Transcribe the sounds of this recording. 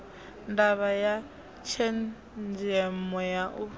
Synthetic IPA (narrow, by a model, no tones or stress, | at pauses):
ndaβaja | t͡ʃʰɛn | d͡ʒɛmɔjaʔu